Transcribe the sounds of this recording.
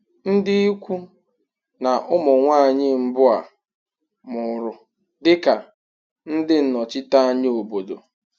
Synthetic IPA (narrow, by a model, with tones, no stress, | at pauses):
n̩˦dɪ˦i˦kʷu˦ | na˨ʔʊ˦mʊ˨ŋʷaː˦˨ɲɪ˦m̩˦bʊ˦a̰˨ | mʊ˨˦ɾʊ˦ | dɪ˦ka˨ | n̩˦dɪ˦n̩˨nɔ˨t͡ʃɪ˦ta˦a˦ɲ˦o˨bo˨do̰˨